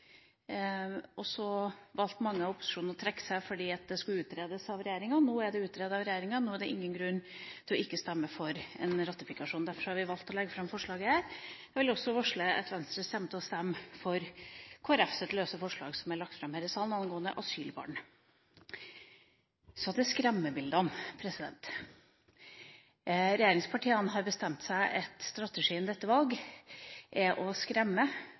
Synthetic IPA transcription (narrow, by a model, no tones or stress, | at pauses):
ʔɔsɔʋɑlt̪mɑŋːəɑʋɔpʊ̥sɪ̥ʂuːnəɾɔt̪ʰɾɛkːə̥sæɪfɔɖiːɑt̪̚d̪ɛskʉlʉːt̪ɾeːd̪əsɑʋɾɛjeːɾɪŋɑnuːæɖɛʉːt̪ɾeːd̪əɑʋɾɛjeːɾɪŋɑnuːæɖɛʔɪŋːənɡɾʉnːt̪ʰɛɔɪkːəst̪æmːəfɔɾɛ̰nɾɑt̪ɪfɪkɑʂuːnd̪æɾfɔʂɔhɑɾʋɪʋɑlt̪ɔlɛɡːəfɾɑmfɔʂɭɑːɡəhæːɾjɑʋɪlɔsɔʋɔʂɭəɛt̪ʋɛnst̪ɾəst̪ɛmt̪əɔst̪ɛmːfɔɾkʰoːæɾɛfsɛt̪løːsəfɔʂɭɑ̰ːɡsɔmæɭɑkt̪fɾɑmhæɾəsɑːlnɑnɡoːənd̪ə̰ʔɑsyːlbɑ̰ːɳ | sɔɑt̪d̪ɛskɾɛmːəbɪld̪əɔmpʰɾɛsɪd̪ɛ̰nt̪ | ɾɛjeːɾɪŋspʰɑʈʰiːənɦɑɾbəst̪ɛmt̪sæɪʔɛt̪st̪ɾɑt̪əʂiːɛnd̪ɛt̪ːəʋɑlɡ | ʔɛʔɔskɾɛmːə